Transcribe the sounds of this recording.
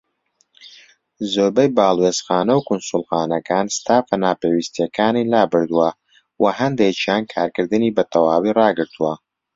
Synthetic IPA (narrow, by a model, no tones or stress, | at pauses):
zoːɾbɛjbaːlˠweːz̥xaːnɐwkʊnsulˠxaːnɐkaːnst̪aːfɐnaːpeːwist̪jɐkʰaːnilaːbɨɾd̪uwɐ | wɐɦɐnd̪et͡ʃʰjaːnkʰaːɾkɨɾd̪ɨniːbɐt̪ʰɐwaːwiːrɑːɡɨɾt̪ʰuwɐ